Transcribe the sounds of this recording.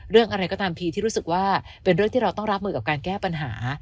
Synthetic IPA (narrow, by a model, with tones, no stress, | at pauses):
ɾɯ˥˩əŋʔa˧ɾa˧jkɔː˥˩t̪aː˧mpʰiː˧t̪ʰi˥˩ɾuː˦˥sɯ˨˩k̚waː˥˩ | pe˧nɾɯ˥˩əŋt̪ʰiː˥ɾa˧wt̪ɔ˥˩ŋɾa˦˥p̚mɯː˧˩ka˨˩p̚kaː˧nkɛː˥˩pa˧nɦaː˩˦